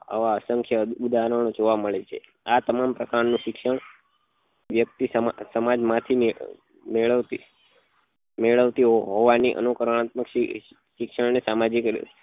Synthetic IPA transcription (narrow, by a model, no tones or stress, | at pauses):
a̰ʋaəsəŋkʰjəud̪aɦɾəɳ̃od͡ʒoʋaməɭet͡ʃʰḛ | at̪əmampɾəkaɾnũʃɪkʃəɳ | ʋjək̚t̪isəmsəmad͡ʒmãt̪ʰie | meɭəʋt̪i | meɭəʋt̪iɦɦoʋaniʔə̰nukəɾəɳ̃at̪məkʃ | ʃɪkʃəɳnesamad͡ʒikɾ̰